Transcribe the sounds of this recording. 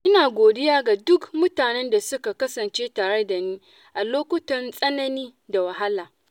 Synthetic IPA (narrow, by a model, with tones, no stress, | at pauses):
ʔɪ˦naː˨ɡʷoː˨dɪ˦jaː˦ɡa˨dʊ˦kmʊ˦taː˨nɛ˦nda˨sʊ˦ka˨kɐ˦sɐ˨nt͡ʃeː˦taː˨ɽe˦da˨niː˦ | ʔa˨loː˦kʷʊ˦tɐ˨nsʼɐ˦nɐ˦niː˦da˨wɐ˨ɦa˦laː˨